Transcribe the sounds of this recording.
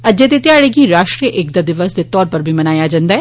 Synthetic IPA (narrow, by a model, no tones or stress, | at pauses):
ɐd͡ʒet̪et̪ɪjaːɽeɡiɾaːʃʈɾijəʔek̚d̪ad̪ɪʋəsd̪et̪ɔːɾpəɾbʱimɐnaːjad͡ʒãːnd̪aːɛː